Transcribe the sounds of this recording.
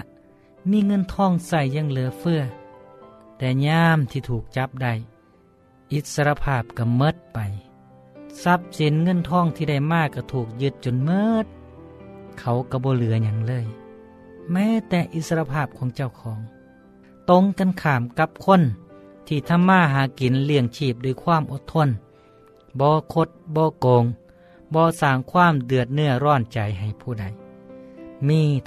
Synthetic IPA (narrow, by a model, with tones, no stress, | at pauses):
miː˧˥˨ŋɤ˧˥˨nt̪ʰɔː˧˥˨ŋsa˧˩jːa˧˨ŋlɯ˨˦ɐfɯ˧ɐ | t̪ɛː˧˩ɲaː˧˥mt̪ʰiː˧t̪ʰuː˨˩k̚t͡ɕa˧˦p̚da˧˩j | ʔi˧˦t̪̚sa˧ɾa˧pʰaː˧˥˩p̚ka˧˩mɤ˧˥t̪̚pa˨j | sa˧˦˥p̚si˨˦nŋɤ˧˥˨nt̪ʰɔː˧˨ŋt̪ʰiː˧da˧˩jmaː˧˩ka˧˩t̪ʰuː˨˩k̚jɯ˧˦t̪̚t͡ɕo˧˨nmɤː˧t̪̚ | kʰa˧˩wka˧˩bɔː˧˦lɯ˨˦ɐɲa˧˥ŋlɤː˧˥˨j | mɛː˧˥˨t̪ɛː˧ʔi˧˦t̪̚sa˧a˧pʰaː˧˩p̚kʰɔː˨˦ŋt͡ɕa˧˩˨wkʰɔː˨˦ŋ | t̪o˧˥ŋka˧˨nkʰaː˨˩mka˧p̚kʰo˧˥˨nt̪ʰiː˧˩t̪ʰa˧˨mːaː˧˥˨ɦaː˨˦ki˨˦nlɯ˧˩əŋt͡ɕʰiː˧˩p̚duː˧˩˨jkʰwaː˧˥˨mʔo˧˦t̪ʰːo˧˥˨n | bɔː˧˦kʰo˧t̪̚bɔː˧˦koː˨˦ŋ | bɔː˧˦saː˧˩ŋkʰwaː˧˥˨mdɯ˨˩ət̪̚nɯ˧˩ɐɾɔː˧˥˩nt͡ɕa˨˩jɦa˨˩jpʰuː˧˩da˧˩j | miː˧˨